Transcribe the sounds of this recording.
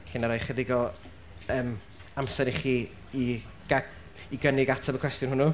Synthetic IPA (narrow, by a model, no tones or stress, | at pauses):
ɬɪnaɾɔjχədɪɡɔ | əːm | amsɛniχiː | i | ɡ̥a | iɡənɪɡatʰabəkʰwɛstjʊnhʊnu